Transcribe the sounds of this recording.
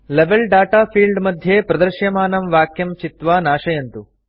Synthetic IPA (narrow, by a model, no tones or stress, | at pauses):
leʋelɖaːʈaːpʰiːlɖmɐd̪ʱjeːpɾɐd̪ɐɾʃjɐmaːnɐmʋaːkjɐmt͡ʃit̪ʋaːnaːʃɐjɐnt̪u